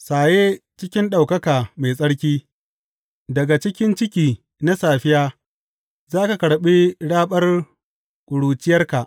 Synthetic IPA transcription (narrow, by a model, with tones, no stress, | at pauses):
saː˨jeː˦t͡ʃɪ˦kʲɪ˦nɗa˨wkɐ˦kaː˨ma˨jsʼɐ˦ɽkʲiː˦ | dɐ˨ɡa˨t͡ʃɪ˦kʲɪ˦nt͡ʃɪ˦kʲiː˨ | na˦saː˨ɸɪ˦jaː˦ | zaː˦ka˨kɐ˨ɽɓi˦ɽaː˦ɓɐ˦r | kʷʼʊ˨ɽuː˨t͡ʃɪ˦jɐ˦rka˨ʔ